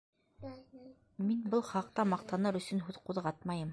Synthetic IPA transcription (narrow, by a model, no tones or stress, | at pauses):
minbɤlˠχɑq̚t̪ɑmɑqt̪ɑnɤɾɵ̆sɵnɦʉðquðʁɑt̪̚mɑjɤm